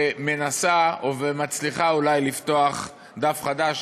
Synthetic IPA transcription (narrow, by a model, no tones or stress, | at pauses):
me̞nasaovemat͡sliχaulajlift̪o̞aχ | d̪afχad̪aʃ